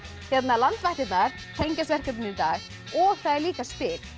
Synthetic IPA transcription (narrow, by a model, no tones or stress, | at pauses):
çjɛt̪naðlant̪vɛht̪ɪt̪naɾ̥ | t̪ʰejɲcasvɛr̥cɛt̪ʏnɪt̪aːɣ | ɔɣθaðɛɾliːkaspɪːɾ